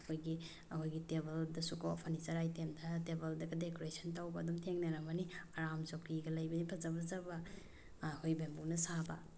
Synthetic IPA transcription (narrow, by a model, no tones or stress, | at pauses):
ɐkʰojɡi | ɐkʰojɡitebɐldɐsukopʰɐnizɐɾajtemdɐtebɐldɐɡɐdekoɾesʰɐntawbɐːdumtʰeŋnɐɾɐmɐniaɾamsokiɡɐlɐjbɐnipʰɐzɐbɐzɐbɐ | hojbembunɐsabɐ